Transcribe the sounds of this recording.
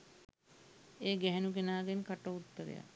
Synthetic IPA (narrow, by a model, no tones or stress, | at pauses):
eːɡɛɦɛnukenaːɡenkaʈəut̪ːəɾḛja̰